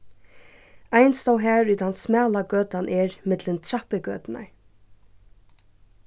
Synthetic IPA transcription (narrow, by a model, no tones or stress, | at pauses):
ajnst̪awɦæːɹyt̪ansmɛːlaɡœːt̪anʔɛɹmɪt̪lɪnt̪ʰɾahpɪɡœ̰ːt̪ɪna̰ɹ